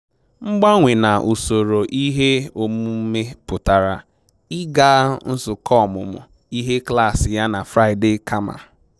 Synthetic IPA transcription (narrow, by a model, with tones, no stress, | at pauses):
ŋ͡m̩˦ɡ͡ba˦ŋʷe˨na˨ʔu˨so˨ɾo˨ʔi˦ɦe˦o˨m˦u˦me˦pʊ˨ta˨ɾa˨ | ɪ˦ɡa˦n̩˦sʊ˨kɔ˦˨mʊ̰˨mʊ̰˨ | i˦ɦe˦kla˦˨sɪ˨ja˦na˨fɾa˦ɪ˨de˦˨kʰa˦ma̰˨